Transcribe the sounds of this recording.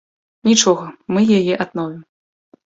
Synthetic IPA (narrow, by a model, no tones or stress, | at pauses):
nʲit͡ʂɔɣɐmɨjajɛʔad̪nɔvʲim